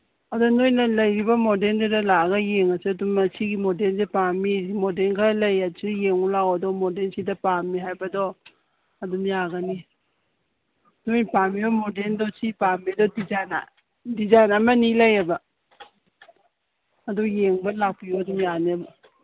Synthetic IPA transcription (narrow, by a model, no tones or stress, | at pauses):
adɔnojnalɐjɾibamodelnzedalaɡajeŋasedumat͡ʃʰiɡimɔdelzepamiimodenkʰalajasijeŋulawɔdɔmɔdensidapamiɦajbadɔ | adumjaɡani | nojnpamibɔmɔdendɔsipamidɔdizajna̰ | dizajnamanilɐjaba | dujeŋbalapijɔdumjaneba